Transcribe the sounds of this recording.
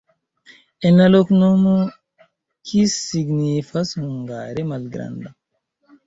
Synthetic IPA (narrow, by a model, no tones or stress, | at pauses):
enaloknomu | kʰisːiɡnifasuŋɡa̰ːɾemalɡɾa̰nd̪a